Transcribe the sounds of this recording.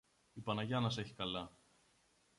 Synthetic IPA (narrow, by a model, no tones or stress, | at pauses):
ipɐnɐʝɐnɐseçi̥kɐlɐ